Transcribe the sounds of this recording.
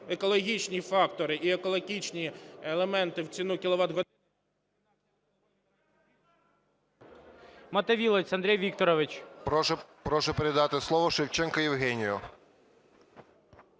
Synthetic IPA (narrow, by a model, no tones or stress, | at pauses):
ekɔlˠɔɦʲit͡ʃnʲifɑkt̪ɔɾɪʔiekɔlˠɔɦʲit͡ʃnʲielˠemɛnt̪ɪwt͡sʲinukʲɪlˠɔʋɑd̪ɦɔ | mɐt̪ɐʋʲilˠɔt͡sʲɐnd̪ɾʲɛjʋʲikt̪ɔɾɔʋɪt͡ʃʲ | pɾɔʃʊpeɾed̪ɑt̪ɪslˠɔʋɔʃɪwt͡ʃɛnkɐjɪwɦɛnʲijɔ